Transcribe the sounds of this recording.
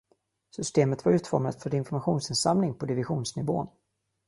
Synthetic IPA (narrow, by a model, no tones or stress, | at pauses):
sʏst̪eːmət̪vaɾʉ̟ːt̪fɔɾmat̪fœɾɪnfɔɾmaɧuːnsɪnsamnɪŋpʰɔd̪ɪvɪɧuːnsnɪvo̰ːn